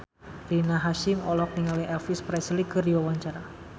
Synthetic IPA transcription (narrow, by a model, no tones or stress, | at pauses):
rinaɦaʃɪmɔlɔk̚niŋaliɛlfispɾɛslikːɨrdiwawaɲt͡ʃaɾa